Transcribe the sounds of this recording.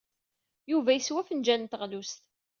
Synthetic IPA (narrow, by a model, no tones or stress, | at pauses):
juvæjəswæfənd͡ʒænt̪əʁlust̪